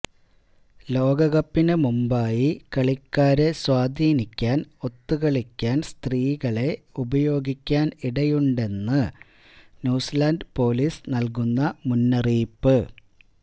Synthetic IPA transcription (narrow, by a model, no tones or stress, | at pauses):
lo̞ːɡɐɣɐpːinɨmumbaːjikɐɭikːaːɾe̞swaːd̪ʱiːnikʲːaːno̞t̪ːuɣɐɭikʲːaːnst̪riːɣɐɭe̞ubɐjo̞ːɡikʲːaːniɽɐjuɳɖe̞nːɨ | njuːsɐlaːnɖpo̞ːliːsnɐlk̬unːɐmunːɐriːpːɨ